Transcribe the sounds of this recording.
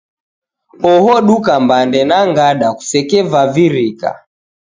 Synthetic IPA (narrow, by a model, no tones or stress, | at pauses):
ɔhɔɗukambandɛnaŋɡaɗaku̥sɛkɛvaviɾika̰